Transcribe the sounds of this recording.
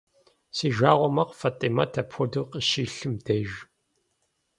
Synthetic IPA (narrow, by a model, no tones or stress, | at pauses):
siːʒaːʁʷɔmɐqfatʼimɐtʰɐpʰʷɔduqəʃiːɬɨmdɐʒ